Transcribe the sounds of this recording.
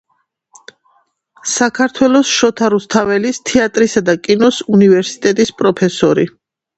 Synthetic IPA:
sakʰaɾt̪ʰwɛlˠɔsʃɔt̪ʰaɾust̪ʰavɛlist̪ʰɛat̪ʼɾisad̪akʼinɔsunivɛɾsit̪ʼɛt̪ʼispʼɾɔpʰɛsɔɾi

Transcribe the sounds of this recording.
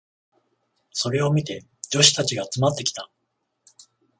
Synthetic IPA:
so̞ɾe̞o̞mʲit̪e̞ | d͡ʑo̞ɕi̥t̪at͡ɕiɡaːt͡sɨmat̪ːe̞kʲi̥t̪a

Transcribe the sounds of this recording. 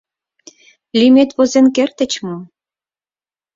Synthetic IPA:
lʲimet̪βozenkert̪ə̆t͡ɕmu

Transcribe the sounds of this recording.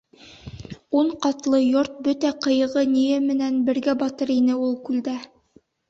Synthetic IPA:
uɴqɑt̪lˠɤjoɾt̪̚bɵt̪æqɤ̆jɤ̆ʁɤnijɘmɘ̆nænbɘ̆ɾɡæbɑt̪ɤɾinɘulˠkʉld̪æ

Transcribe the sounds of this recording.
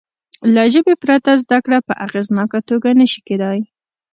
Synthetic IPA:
laʒəbepɾat̪azd̪akɽapəʔaɣeznɑkat̪oɡanəʃi̥ked̪ɑj

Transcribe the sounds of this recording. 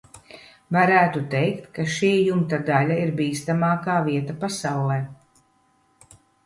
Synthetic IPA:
vaɾæːt̪ut̪ɛjkt̪kaʃiːjumt̪ad̪alʲaiɾbiːst̪amaːkaːviɛt̪apasawlˠɛj

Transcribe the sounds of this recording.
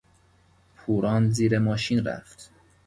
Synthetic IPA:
pʰuːɾɒːnziːɾemɒːʃiːnɾæ̰ft̪

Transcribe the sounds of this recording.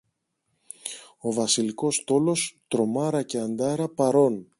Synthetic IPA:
o̞vɐsiliko̞st̪o̞lo̞st̪ɾo̞mɐɾɐce̞ɐnd̪ɐɾɐpɐɾo̞n

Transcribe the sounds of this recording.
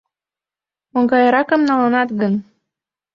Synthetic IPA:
oŋɡɑjɤɾɑkə̆mnɑlɤnɑt̪ɣən

